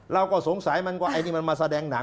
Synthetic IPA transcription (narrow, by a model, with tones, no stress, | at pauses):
ɾa˧wkɔː˥˩so˨˩˦ŋsa˩˦jma˧nkwaː˧˩ʔa˧tnʰiː˥˩ma˧nmaː˧sa˧dɛː˧ŋna˨˩˦